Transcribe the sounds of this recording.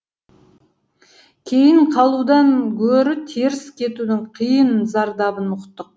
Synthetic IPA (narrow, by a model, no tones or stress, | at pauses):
kʲʰe̞jɪɴqʰɑlˠud̪ɑŋkʲʰɵɾɪt̪ʰeɾɪskʲʰe̞t̪ud̪ɪŋqʰəjənzɑɾd̪ɑbənʊqt̪ːəq̚